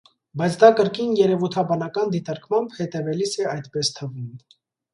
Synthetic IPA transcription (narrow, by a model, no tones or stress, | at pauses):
bɑjt͡sʰd̪ɑkəɾkinjɛɾɛvujt̪ʰɑbɑnɑkɑnd̪it̪ɑɾkmɑmbhɛt̪ɛvɛlisɛɑjt̪pɛst̪ʰəvin